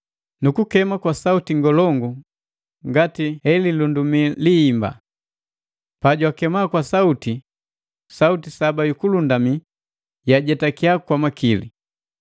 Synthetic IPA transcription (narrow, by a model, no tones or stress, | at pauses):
nukukɛmakwasautiŋɡɔlɔŋɡu | ŋɡatihɛlilundumiliːmba̰ | paɟwakɛmakwasauti | sautisabajukulundami | jaɟɛtakiakwamakilḭ